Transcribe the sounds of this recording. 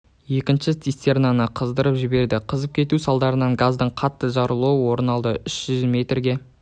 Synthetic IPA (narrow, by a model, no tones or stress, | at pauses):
je̞kʲɪnʃɪt̪ist̪ernɑnəqʰəzd̪əɾəpʒɪbe̞ɾd̪ɪqʰəzəp̚kʲʰe̞t̪usɑlˠd̪ɑɾənɑŋɡazd̪əɴqʰɑt̪ːəʒɑɾəlˠowəwo̞ɾənɑlˠd̪əʔʏʃʒ̥ʏzme̞t̪rɡʲe̞